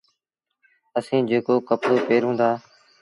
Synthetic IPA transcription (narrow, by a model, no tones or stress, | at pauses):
əsĩːd͡ʒeːkoːkəpɽoːpeːɾɦũːnd̪aː